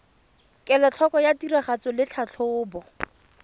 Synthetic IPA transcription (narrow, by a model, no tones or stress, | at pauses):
kʼɛlɔt͡ɬʰɔkɔjatiraχat͡sɔlɪt͡ɬʰat͡ɬʰʊːbɔ